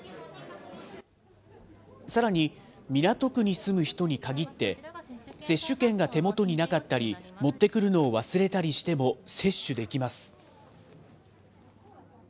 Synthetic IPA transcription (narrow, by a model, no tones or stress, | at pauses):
saɾaɲ̟imʲinat̪o̞kɯ̟ɲ̟isɨmɯ̟çi̥t̪o̞ɲ̟ikaɡʲit̪ːe̞se̞ɕːɨkẽ̞ŋɡat̪e̞mo̞t̪o̞ɲ̟inakat̪ːaɾʲimo̞t̪ːe̞kɯ̟ɾɯ̟no̞ːβasɨɾe̞t̪aɾʲiɕi̥t̪e̞mo̞se̞ɕːɨd̪e̞kʲimasɨ̥